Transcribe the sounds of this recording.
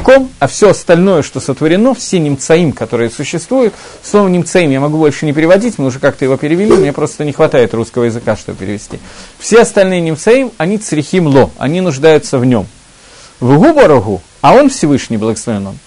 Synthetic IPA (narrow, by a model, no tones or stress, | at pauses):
komɐfsʲoɐst̪ɐlʲno̞jəʂt̪o̞sət̪vəɾʲɪno̞fsʲenʲɪmt̪sɐimkɐt̪o̞ɾɨjəsʊɕːɪst̪vujʊt̪ | slˠo̞vəmnʲɪmt̪sɐimjamɐɡubo̞lʲʂɨnʲɪpʲɪɾʲɪvɐdʲitʲmɨʊʐɛkak̚t̪əjɪvo̞pʲɪɾʲɪvʲɪlʲimʲnʲepɾo̞st̪ənʲɪxvɐt̪ajɪt̪ruskəvəjɪzɨkaʂt̪o̞bəpʲɪɾʲɪ̰vʲɪsʲtʲḭfsʲeɐst̪ɐlʲnɨjənʲɪmt̪sɐimɐnʲit̪sɾʲɪxʲimlˠo̞ɐ̰nʲinʊʐd̪ajʊt̪səvnʲo̞̰m | vɣubəɾʊɣu | ɐo̞nfsʲɪvɨʂnʲɪjblˠəɡəslˠəɾʲɪno̰n